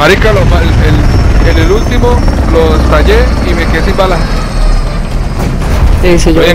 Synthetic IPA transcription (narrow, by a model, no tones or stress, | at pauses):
aɾihkalomaelelelult̪imolost̪aʎeimekesimbala | sisiʝoje